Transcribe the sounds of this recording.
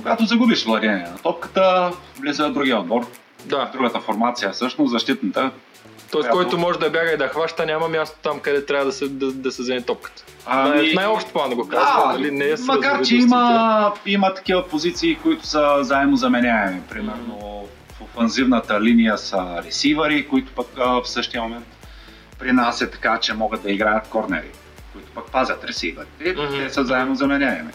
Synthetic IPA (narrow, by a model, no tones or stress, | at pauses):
koɡat̪ozɐɡubiʃvlˠɐd̪inɛnɐt̪ɔp̚kə̥t̪əvlizəd̪ɾuɡiəod̪̚bɔɾ | d̪ad̪ɾuɡət̪əfoɾmat̪sijəsɤʃnosɐʃt̪it̪nət̪ə | t̪ɔɪsakɔjt̪omɔʒɛd̪ɐbjaɡəid̪ɐxvaʃt̪ənʲamɐmʲjast̪o̥t̪amkɐd̪ɛt̪ɾʲavəd̪ɐsɛd̪ɐd̪ɐsɛzɛnit̪ɔp̚kə̥t̪ə̥ | inajɔpʃt̪plˠanɡokazɐlinɛmɐkaɾt͡ʃɛiməimət̪ɐ̥k̟ivəpozit̪siːkoit̪ʊ̥səzaɛmnozɐmɛnʲaɛmɛpɾimɛɾno | fofɛnzivnət̪əlinijəsəɾɛsivɐɾikoit̪ʊ̥pəkəfsɤʃt̪ijəmomɛnt̪ | pɾinasɛt̪ɐ̥kat͡ʃɛmɔɡət̪̚d̪ɐiɡɾajət̪̚kɔɾnɛ̰ɾḭ | koit̪ʊ̥pak̚pazʲɐt̪ɾɛsivɐɾit̪ɛt̪ɛsəzaɛmnozɐmɛnʲjaɛmɛ̰